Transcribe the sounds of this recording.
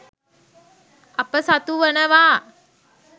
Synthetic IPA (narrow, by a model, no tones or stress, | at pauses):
apəsat̪uʋənəʋaː